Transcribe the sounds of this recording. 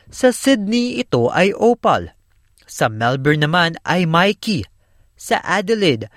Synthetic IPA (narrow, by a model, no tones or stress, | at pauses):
sɐsɪd̪̚niɪt̪o̞ʔɐjʔoːpɐ̰l | sɐmɛlbɛɹnɐmanʔɐjmajki | sɐ̰ʔad̪ɛlɪd̪